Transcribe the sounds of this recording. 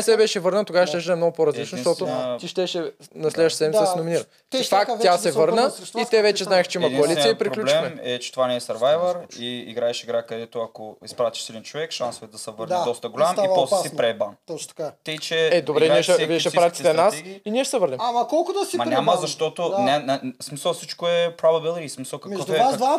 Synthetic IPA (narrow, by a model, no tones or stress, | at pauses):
sɛbɛʃɛvɤɾnət̪oɡavəʃt̪ɛʃ̬d̪nɛmnoɡʊpoɾɐzlit͡ʃnosʃt̪ɔt̪ot̪iʃt̪ɛʃɛnɐslɛd̪vəʃt̪sɛd̪mʲisnominiɾə | fakt̪ʲjasɛvɤɾnəit̪ɛvɛt͡ʃɛznaɛxt͡ʃɛimɐkoɐlit̪iəipɾiklulɛmɛɛt͡ʃɛ̥t̪ovanɛːsɐɾvajvəɾiiɡɾaɛʃiɡɾakɐd̪ɛt̪oɐkoispɾat̪i̥ʃsid̪ɛnt͡ʃovɛkʃansovɛt̪d̪ɐsɛvəɾnidɔst̪əɡolʲamipɔssipɾɛbant̪ɔat̪ət͡ʃɛɛd̪obɾɛniɛʃɛviɛʃɛpɾat̪it̪ɛnasiniɛʃsɛvəɾnɛmmkɔlˠkʊd̪ɐsimɐɲʲaməzɐʃtt̪ɔt̪onʲansmisəlˠfsit͡ʃkoɛpɾobɐbilˠismisəlˠkɐkmɛɔd̪ɛaa